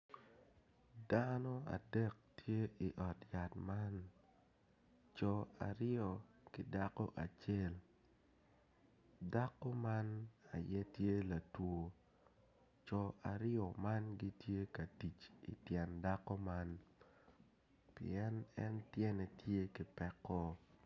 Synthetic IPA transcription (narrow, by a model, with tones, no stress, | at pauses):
danɔ˦a̰˨dɛ˦k̚tʰje˦i˨ʔɔ˨tja˨tma˦n | t͡ʃɔ˨a̰˨ɾɪɔ˨kɪ˨da˦kɔ˦ʔa˨t͡ʃe˦˨l | da˦ko˦ma˦na˨jɛ˦tje˦la˨two˨ | t͡ʃɔ˨a̰˨ɾɪɔ˨ma˦nɡi˦tje˦ka˨ti˨t͡ʃḭ˨tjɛ˨nda˦kɔ˦ma˦n | pɪ̰˨ɛ˦nɛ˦ntjɛ˦nɛ˨tje˦ki˨pɛ˦kːɔ˦